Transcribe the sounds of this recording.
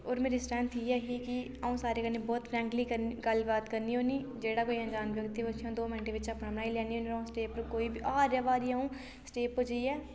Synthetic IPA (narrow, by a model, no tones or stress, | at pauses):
oːɾmeːɾiːsʈɛ̃ːnt̪ʰiːɛːɦiːkɪ | aũːsaːɾeːkəneːbɔːt̪pʰɾɛ̃ːŋkliːkəɡəlbaːt̪kəɾniːoːniːd͡ʒeːɽaːkoːiə̃nd͡ʒaːnʋjəkt̪iːət͡ʃʰiãːd̪oːmɪnʈeːʋɪt͡ʃəpnãːmənaːiːlɛːniːoːniɾaũːsʈeːpəɾkoːiːbiʔaːɾjaːʋaːɾiːaːũː | sʈeːpɦod͡ʒəiːɛː